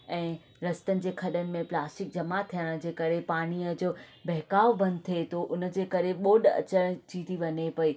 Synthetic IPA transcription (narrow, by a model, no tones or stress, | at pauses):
ɛ̃ː | ɾɐst̪ənɪ̆d͡ʑeːkʰɐɗənɪ̆mẽplaːsʈɪk̚d͡ʑɐmat̪ʰijəɽ̃̆d͡ʑeːkɐɾepaːɽ̃iəd͡ʑoːbɛɦkaːʋbɐ̃nd̪t̪ʰiet̪ʰoʔʊnə̆d͡ʑeːkɐɾeɓoːɗɐ̰t͡ɕəɽ̃t͡ɕiːt̪ʰiʋɐɲepɐiː